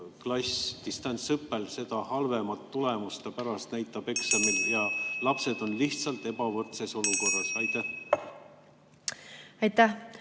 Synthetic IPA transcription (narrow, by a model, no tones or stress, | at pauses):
klɑst̪ist̪ɑnʲsɯpːe̞lse̞d̪̥ɑhɑlve̞mɑt̪ːule̞must̪epæɾɑst̪næjt̪ːˑɑb̥e̞ksɑmiljɑlɑpse̞d̪̥o̞nliht̪sɑlt̪e̞b̥ɑvɤrt̪se̞so̞luko̞rːɑsɑjt̪ːˑæh | ɑjt̪ːæh